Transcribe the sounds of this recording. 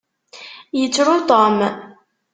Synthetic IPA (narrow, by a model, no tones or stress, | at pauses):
jət͡sːɾʊt̪ˤom